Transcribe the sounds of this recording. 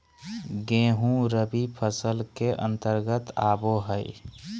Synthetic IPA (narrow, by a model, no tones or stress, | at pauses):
ɡẽːɦũɾəbipʰəsəlkeʔə̰̃nt̪əɾɡət̪aːboɦəɪ